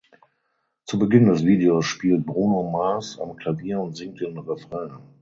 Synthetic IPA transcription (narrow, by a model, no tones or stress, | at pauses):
t͡subəɡɪndɛsv̥iːdeosʃpiːlt̚bʁuːnomaːsa̰mkʰl̥aviːɐʊntz̥ɪŋk̚tɪnʁɛfʁ̥ɛ